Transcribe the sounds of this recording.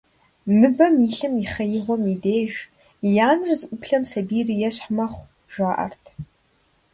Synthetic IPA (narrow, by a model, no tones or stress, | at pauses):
nɨbɐmiɬɨmiχɐjɪʁʷɔmideːʒ | jaːnɨrzɨʔʷʊpʰɬɐmsɐbiːrjɛɕħmɐχʷ | ʒʷaːʔɐ̰rtʰ